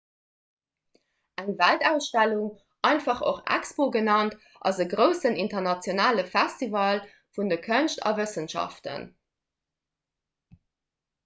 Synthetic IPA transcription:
ʔæŋvæltæʊsʃtæluŋ | ʔɑɪntfɑχo̰χæ̰kspoːɡənɑnt | ʔɑ̰zəɡʁəʊsənintɐʁnɑt͡sjonaːləfæstivɑl | fundəkʰənʃtɑ̰vəsənʃɑ̰ftə̰n

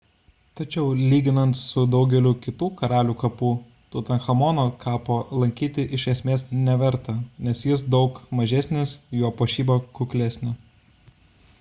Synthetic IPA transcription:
t̪ɐt͡ʃʲɛʊlʲiːɡʲɪnɐnt̪sʊd̪ɒʊɡʲɛlʲuːkʲɪt̪uːkɐɾɑːlʲuːkɐpuː | t̪uːt̪ʲɐnxɐmɔːnoːkʰɑːpoːlˠɐŋʲkʲiːt̪ʲɪʔɪʃʲɛsʲmʲeːsnʲɛʋʲɛɾˑt̪ɐnʲɛsjɪsd̪ɒʊkmɐʒʲæsʲnʲɪsjuɔpoːʃʲiːboːkʊklʲæsʲnʲɛ

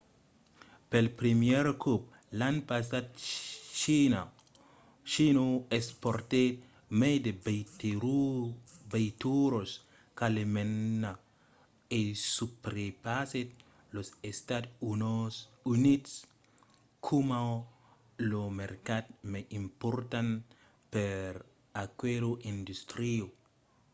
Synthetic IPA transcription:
pelpɾimjeɾkup̚ | lanpasadt͡ʃina | ʃinoespoɾt̪e | med̪e | bejt̪uɾos | kalemenːa | esupɾepaset̪̚ | losest̪ad̪unosunit̪s | kʰuma | lomeɾkat̪meʔimpoɾt̪an | peɾ | akweɾoʔind̪ust̪ɾio

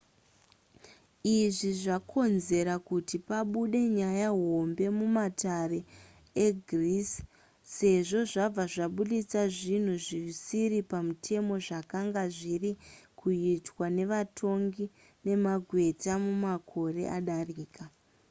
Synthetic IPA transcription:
iʐiʐakʰo̞nze̞ɾakutipaɓuɗe̞ɲajaɦo̞mbe̞mumatare | e̞ɡʱris | se̞ʐo̞ʐab͡vaʐaɓuɗit͡saʐin̤uʐisiripamutʰe̞mo̞ʐakaŋɡaʐirikʰuitwane̞ʋatʰo̞ŋɡi | ne̞maɡʱwe̞tamumakʰo̞re̞̰ʔaɗariːka

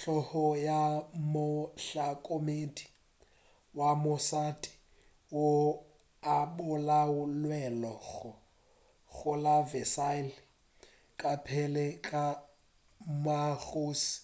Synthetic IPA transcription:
ɬɔhɔjamʊɬakʼomedʼi | wamʊsatʼi̥ | wo | abʊlaʊlwɛlɔɣʊ | ɣʊlavɛsal | kʼapʰɛlɛkʼa | maɣuːsi̥

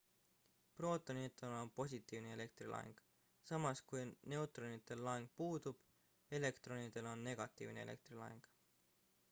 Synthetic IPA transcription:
pro̞ːt̪ːˑonit̪ːˑelo̞npo̞s̬ʲit̪ːˑiːvne̞ele̞k̚t̪ɾilɑ̰ɦḛŋɡ̥ | sɑmɑskujne̞ut̪ˑronit̪ːˑe̞lːɑɦeŋɡ̥̚puːd̪ub̥ | e̞le̞kt̪ɾo̞nid̪̥e̞lo̞nːe̞ɡ̥ɑt̪ːˑḭːvne̞ele̞̰k̚t̪rilɑ̰ɦeŋɡ̥

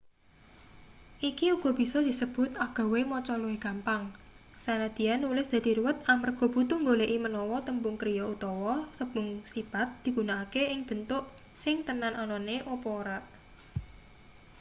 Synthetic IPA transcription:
ʔikiuɡ̥ɔ̤b̥i̤sɔd̪̥i̤səb̥ʊ̤t̪aɡ̥ɔ̤wemɔt͡ʃɔlɔeɡ̥a̤mpaŋ | sanad̪̥i̤janːulɪsd̪̥ä̤d̪̥i̤ɾuwət̪̚amərɡ̥ɔ̤b̥ut̪uŋɡoleʔimənɔwɔt̪əmbʊŋkɾijɔut̪ɔwɔsəb̥ʊŋsipat̪̚d̪̥i̤ɡ̥ṳnaakeɪŋb̥ə̤nt̪ʊʔ | sɪŋt̪ənanɔnɔneʔopɔɾaʔ

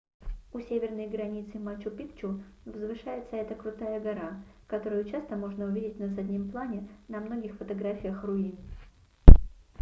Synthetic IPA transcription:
ʊsʲevʲɪrnəjɡɾɐnʲit̪sɨmat͡ɕːʊpʲikt͡ɕʊ | vzvɨʂajɪt̪səɛt̪əkɾʊt̪ajəɡɐɾakɐt̪o̞ɾʊjʊt͡ɕast̪əmo̞ʐnəʊvʲidʲɪtʲnəsɐdʲnʲimplˠanʲɪnɐmno̞ɡʲɪxfət̪ɐɡɾafʲɪjəxrʊin

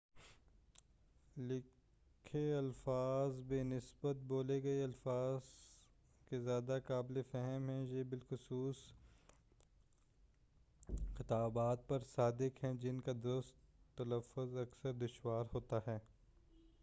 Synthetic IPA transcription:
lɪ | kʰeɐlfaːzbeːnɪsbət̪̚boːleɡɐiɐlfaːz | kezjaːd̪akaːblefɛɦəmɦɛ̃jeːbɪlxʊsuːs | xɪt̪aːbaːt̪̚pɐɾsaːd̪ɪkɦɛ̃d͡ʒɪnkad̪ʊɾʊst̪ːɐləfːʊzɐksəɾd̪ʊʃwaːɾɦoːt̪aɦɛː

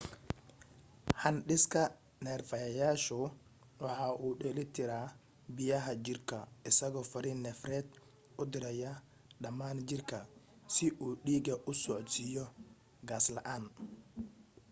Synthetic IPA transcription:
hɐnɗɪskʰɐ | nɛːrfɐjɐjaːʃʊ | wɑħɑːʔuːɗɛːlɪt̪ʰɪɾaː | bɪjɐɦɐt͡ʃɪrkʰɐɪsɐɣɔːfɐɾiːnːɛfrɛːd̪̚ | ʊd̪ɪɾɐjɐ | ɖɐmaːnt͡ʃɪrkʰɐ | sɪʔuːɗiːɡɐʔʊsɔʕt͡ʃsiːjɔ | ɡaːslɐʔaːn

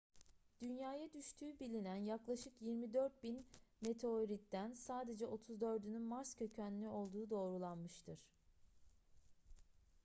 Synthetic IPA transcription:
d̪̥ynjaːjad̪yʃt̪ʰyːbilʲinænjaklˠaʃɯkjiɾmid̪øɾt̪̚binme̞t̪ʰe̞oɾit̪d̪ænsaːd̪e̞d͡ʒɛʔo̞t̪ʰuzd̪ø̞ɾd̪ynynmaɾscʰøcʰænlʲyo̞lˠd̪uːd̪o̞ːɾulˠanmɯʃt̪ʰɯɾ̥

